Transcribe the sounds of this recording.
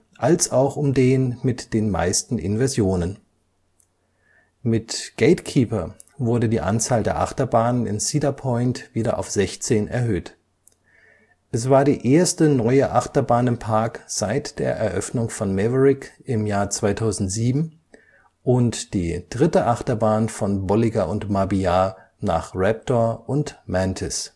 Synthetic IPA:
ʔalsaʊxʊmdeːnmɪtd̥eːnma̰ɪstn̩ʔɪ̰nvɛɐzjoːnən | mɪtɡ̥eɪtkʰiːpɐ | vʊɐdədiːʔa̰nt͡saːldeːɐʔa̰χtɐbaːnənɪ̰nsiːdɐpʰɔʏntv̥iːdɐʔa̰ʊfz̥ɛçt͡seːnʔɛ̰ɐɦøːt | ʔɛsv̥aːɐdiːʔeːɐstənɔʏəʔaχtɐbaːnɪmpʰaɐkz̥aɪtd̥eːɐʔɛɐʔœfnʊŋfɔnmɛvəʁɪkʔɪmjaːɐt͡sv̥aɪtʰaʊzn̩tz̥iːbm̩ | ʔʊntd̥iːd̥ʁɪtəʔaχtɐbaːnfɔnbɔlɪɡaʔʊntmabiaː | na̰ːχʁɛp̚tɔɐʔʊntmɛntʰɪs

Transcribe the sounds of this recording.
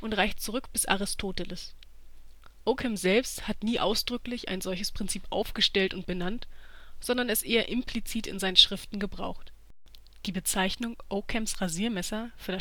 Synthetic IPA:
ʔʊntʁaɪçt͡suʁʏkb̥ɪsʔa̰ʁɪstʰoːtələs | ʔokʰɛmzɛlpsthatniːʔa̰ʊsd̥ʁʏklɪçʔa̰ɪnzɔlçəspʁ̥ɪnt͡siːpʔa̰ʊfɡ̥əʃtɛltʊnt̚b̥ənantz̥ɔndɐnɛsʔeːɐʔɪmpl̥it͡siːtɪ̰nzaɪnənʃʁ̥ɪftn̩ɡəbʁa̰ʊxt | d̥iːbət͡saɪçnʊŋʔokʰɛmsʁaziːɐmɛsɐfyːɐda

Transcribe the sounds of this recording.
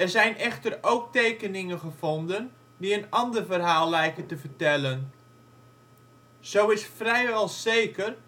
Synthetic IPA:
ɛrzɛjnʔɛχtərowk̚tejkənɪŋənχəvɔndən | diənɑndərvərɦaːlˠlɛjkəntəvərtɛlən | z̥owɪsfrɛjʋɛlˠzejkər

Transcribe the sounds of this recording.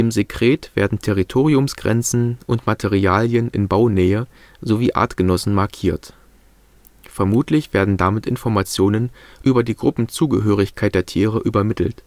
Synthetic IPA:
d̥eːmzekʁ̥eːtv̥ḛːɐdn̩tʰɛʁ̞itʰoːʁ̞iʊmsɡ̥ʁɛ̰nt͡sn̩ʔʊntmatʰeʁiaːljənɪ̰nbaʊnɛːə | zoviːʔa̰ːɐtɡ̥ənɔsn̩maɐkʰiːɐt | fɛɐmuːtʰlɪçv̥eːɐdn̩damɪtʔɪnfɔɐmat͡sjoːnənʔyːbɐdiːɡʁʊpm̩t͡suːɡəɦøːʁ̞ɪçkʰaɪt̚d̥eːɐtʰiːʁəʔyːbɐmɪtʰl̩t

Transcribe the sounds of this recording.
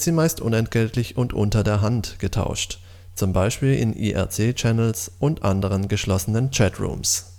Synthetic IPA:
tz̥iːmaɪstʔʊ̰nɛnt̚ɡ̥ɛltʰlɪçʔʊntʔʊntɐdeːɐɦantɡ̥ətʰa̰ʊʃt | t͡sʊmbaɪʃpiːlʔɪ̰nʔḭːʔɛ̰ɐt͡seːt͡ʃɛnl̩sʔʊntʔandəʁ̞ənɡəʃlɔsənənt͡ʃɛtʁṵːms

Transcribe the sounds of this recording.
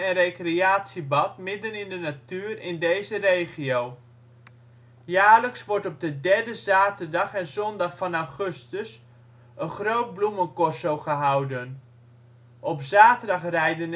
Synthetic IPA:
ɛnrejkreaːtsibɑt̚mɪdənɪndənatyːrɪndejzərejχiow | jaːɹləksʋɔɹtɔb̚dədɛɹdəzaːtərdɑχɛnzɔndɑχfɑnawχɵstəs | ənχrowt̚blumənkɔsowχəɦʌwdən | ʔɔpzaːtərdɑχrɛjdən

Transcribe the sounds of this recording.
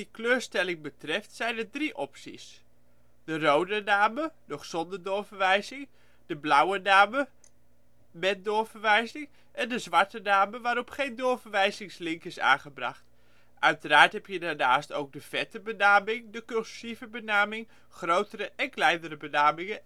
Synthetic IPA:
dikløːɹstɛlɪŋbətrɛftsɛjnədriʔɔpsḭs | d̥ərowdənaːmədɔχsɔndədɔɹfəɹʋɛjzɪŋ | d̥əblawənaːmə | mɛt̚dʊfəɹʋɛjzɪŋ | ʔɛndəzʋaɹtənaːməʋaːɾɔpχejndʊːfəɹʋɛjzɪŋslɪŋkɪsa̰ːnχəbra̰χt | ʔœɥtəraːɹtɦɛpjədaːɹnaːstowɡ̚dəv̥ɛtəbənaːmɪŋdəkølssivəbənaːmɪŋ | χrowtəɾəʔɛnklɛjnəɾəbənaːmɪŋə

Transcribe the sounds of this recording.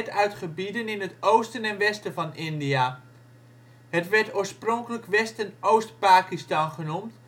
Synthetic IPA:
tœɥtχəbidənɪnɦətowstənɛnʋɛstəvɑnɪndia | ɦətʋɛɹtoːɹsproŋkələkʋɛstənowstpaːkistɑnχənumt

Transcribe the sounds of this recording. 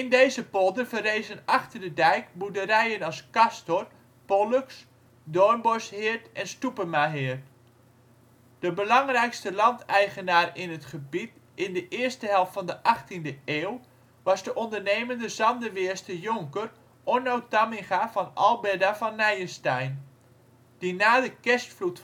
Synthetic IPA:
ɪndejzəpolˠdənvərejzənɑχtərdədɛjkbudəɾɛjənɑlˠskɑstɔr | poløks | dɔɹnbɔshɪːɹtɛnstupəmaɦɪːt | d̥əbəlɑŋrɛjkstəlɑntɛjχənaːrɪnətχəbit | ɪndəʔɪəstəɦɛlˠftfɑndəʔɑχtindəeːw | ʋɑzdəʔɔndəneːməndəzɑndəʋɪːɹstəjʊŋkər | ʔɔnowtamiχavɑnɑlˠbɛdafɑnːɛjəstɛjn | d̥inaːdəkɛstflut

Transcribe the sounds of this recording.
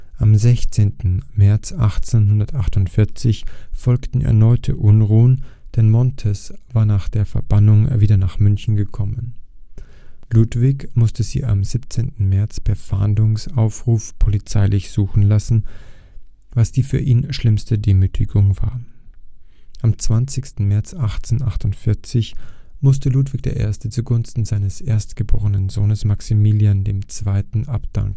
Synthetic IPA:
ʔamzɛçt͡seːntn̩mɛɐt͡sʔa̰χt͡senhʊndɐtʔaχtʊntfɪɐt͡sɪçfɔlktn̩ɛ̰ɐnɔʏtʰə̰ʔʊnʁuːənd̥ɛnmɔntʰɛsv̥aːɐnaːχd̥eːɐfɛɐb̥anʊŋviːdɐnaːχmʏnçn̩ɡəkʰɔmən | luːtv̥ɪçmʊstəzḭːʔa̰mzipt͡seːntn̩mɛɐt͡spʰɛɐfa̰ːndʊŋsaʊfʁ̥uːfpʰolit͡saɪlɪçz̥uːxn̩lasn̩ | vasd̥iːfyːɐʔiːnʃlɪmstədeːmyːtʰɪɡʊŋva̰ːɐ | ʔamt͡sv̥ant͡sɪçstn̩mɛɐt͡sʔaχt͡seːnʔaχtʊntfɪɐt͡sɪçmʊstəluːtv̥ɪk̚d̥ḛːɐʔḛːɐstət͡suɡʊnstn̩zaɪnəsʔeːɐstɡ̥əbo̰ːʁ̞ənənzoːnəsmaksimiljandeːmt͡sv̥aɪtn̩ʔapd̥a̰ŋk

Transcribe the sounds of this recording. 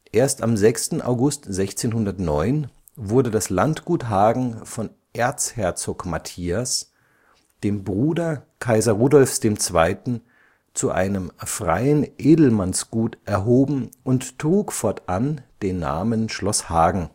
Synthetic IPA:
ʔeːɐstamzɛkstn̩ʔa̰ʊɡʊstz̥ɛçt͡seːnhɦʊndɐtnɔʏn | vʊɐdədaslantɡ̥uːtɦaːɡŋ̩fɔn | ʔeːɐt͡shɛɐt͡soːkmatʰiːas | d̥eːmbʁuːdɐkʰaɪzɐʁuːdɔlfsd̥eːmt͡sv̥a̰ɪtn̩ | t͡suʔa̰ɪnəmfʁ̥a̰ɪənʔeːdl̩mansɡ̥uːtʔɛɐɦoːbm̩ʔʊnttʁ̥uːkfɔɐtʔand̥eːnːa̰ːmənʃlɔshaːɡŋ̩

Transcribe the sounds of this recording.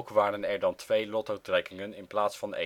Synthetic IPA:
kʋaːrənɛɹdɑntʋejlɔtowtrɛkɪŋənɪnplaːtsfɑnḛ

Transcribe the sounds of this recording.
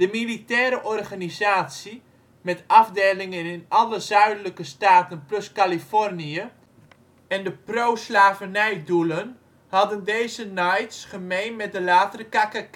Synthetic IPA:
d̥əmilitɛːɾəʔɔrχanizaːtsi | mɛtɑvdeːlɪŋənɪnɑləzœɥdələkəstaːtənplɵskalifɔrniə | ɛndəprowslaːvənɛjdulən | hɑdəndejzənajtsχəmejnmɛt̚dəlaːtərəkakə

